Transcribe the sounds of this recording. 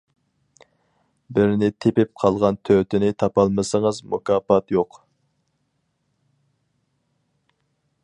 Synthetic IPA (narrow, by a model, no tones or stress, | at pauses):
bɪɾnɪt̪ʰepɪp̚qʰɑlˠʁɑnt̪ʰøt̪ʰɪnɪt̪ʰɑpɑlˠmɨsəŋəzmṵkʰɑːpɑt̪joq